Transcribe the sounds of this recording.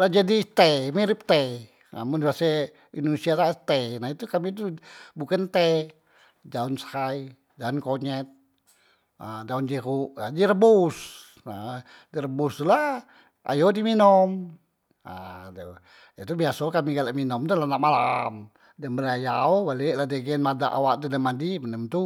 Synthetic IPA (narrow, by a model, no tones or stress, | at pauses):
lad͡ʒadit̪ɛmiɾip̚t̪ɛ | na̰mʊndbasɛ | indunisiatat̪enait̪ukamit̪ubukant̪ɛ | d͡ʒaʊnshai | daunkoɲɛt̪̚ | ədaund͡ʒeɣuʔad͡ʒiɾəbus | a | diɾəbust̪ula | ʔa̰jodiminɔm | ad | jat̪ubiasɔkamiɡalaʔminɔmt̪ulanaʔmalam | dambəɾajaobaleʔladeɡɛnmada̰ʔa̰waʔt̪udəmadimənəmt̪u